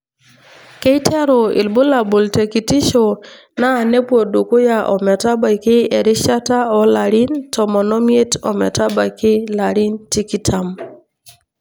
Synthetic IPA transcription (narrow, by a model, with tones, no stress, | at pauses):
ke˦i˦tʰɛ˦ɾo˨ḭ˨lbo˦la˨bo˨lte˨ki˨ti˦ʃo˨ | naː˦˨ne˦pwo˨do˨ko˦ja˨ʔɔ̰˨mɛ˨ta˦ba˨jkɪ˦e˨ɾɪ˦ʃa˦ta˦ɔ˦la˨ɾi˦ntʰɔ˨mɔ˨nɔ˦mje˦tɔ˨mɛ̰˨ta˦ba˨kɪ˦la˨ɾi˦nti˦ki˦tʰa˨m